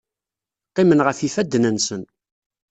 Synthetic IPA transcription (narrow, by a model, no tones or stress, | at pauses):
qːemənʁəfifæd̪ːnənsən